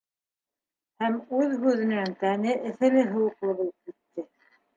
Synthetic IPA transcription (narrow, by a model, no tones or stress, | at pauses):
hæmʉðɦʉðɘ̆næŋt̪ænɘʔɘ̆θɘ̆lɘɦɤ̆wɤ̆qlˠɤβulˠɤp̚kit̪ːɘ